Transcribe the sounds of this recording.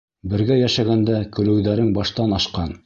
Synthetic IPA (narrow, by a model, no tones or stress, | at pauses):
bɘ̆ɾɡæjæʃæɡænd̪ækɵ̆lɘ̆wðæɾɘŋbɑʃt̪ɑnɑʃqɑn